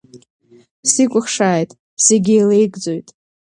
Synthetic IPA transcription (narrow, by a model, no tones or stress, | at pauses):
sikʷʼʊχʂaːjtʼ | seɡʲejlejɡʼd͡zo̞jtʼ